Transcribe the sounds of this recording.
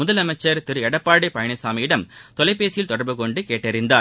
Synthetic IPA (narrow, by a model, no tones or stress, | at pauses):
mʊðɐlɐmɐt͡ʃːɐɾt̪ɪɾɯɛɽɐpːaːɽɪpɐjɐɳɐsaːmɐjɪɽɐmt̪ɔlɐɪpːeːsɪjɪlt̪ɔɽɐɾbɯkɔɳɖɯkeːʈːɐɾɪnd̪aːɾ